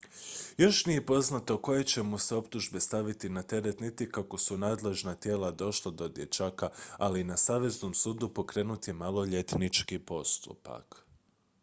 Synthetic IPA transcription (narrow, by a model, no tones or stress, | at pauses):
jo̞ʃnije̞po̞znat̪o̞ko̞je̞t͡ɕe̞muse̞o̞pt̪uʒbe̞st̪aʋit̪inat̪e̞ɾe̞t̪nit̪ikako̞sunaːd̪le̞ʒnat̪je̞ːlad̪o̞ʃlˠad̪o̞d̪je̞t͡ʃaːkaalinasaːʋe̞zno̞ːmsuːd̪upo̞kɾe̞ːnut̪imalˠo̞ʎe̞t̪nit͡ʃkipo̞st̪ṵpa̰k